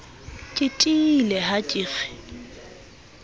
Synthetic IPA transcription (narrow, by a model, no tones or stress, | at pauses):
kʼɪtʼilɛɦat͡ʃʼiːɣɛ̥